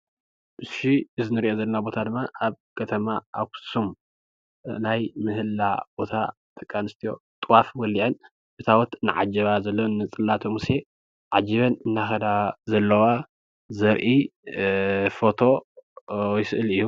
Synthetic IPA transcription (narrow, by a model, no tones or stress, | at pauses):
ʔɨʃiɨzɨnɨɾiʔo̞zɐlːɐnabo̞t̪ʰad̪ɨmːaʔaβ | kʰɐt̪ʰɐmaʔakʰu̥sum | najmɨhɨlːa̰b̥o̞t̪ʰa̰t̪ʼɐkʼːanɨst̪ʰijo̞̰t̪ʼwafwɔliʔɐn | bɨt̪ʰawɔt̪nɨ̰ʕa̰d͡ʒɐβazɐlːonɨt͡sʼɨlːat̪ʰomuse̞ | ʕad͡ʒiβɐnɨnːaxɐd̪azɐlːɐwa | zɐɾʔi | fo̞t̪ʰo̞ | jɪsɨʔɨlɨju